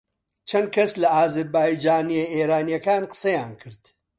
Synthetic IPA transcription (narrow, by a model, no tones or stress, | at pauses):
t͡ʃʰɐnd̪̚kʰɐslɐaːzɐɾbaːjd͡ʒaːnijeeːɾaːnijɐkaːnqə̥sɐjaːnkʰɨɾd̪̥